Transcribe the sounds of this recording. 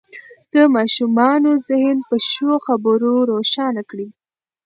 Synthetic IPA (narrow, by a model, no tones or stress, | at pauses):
d̪̥əmɑʃumɑnozɪhnpəʃoxabəɾoɾoʃɑnakɽi